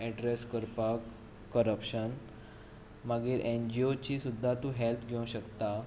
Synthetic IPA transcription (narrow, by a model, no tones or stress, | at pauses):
ɛɖɾeskəɾpakː | əɾəpɕən | maɡiːɾʔend͡ʑiot͡ɕiːsud̪ʱːat̪ũːɦelpʰɡʱeũɕəkt̪a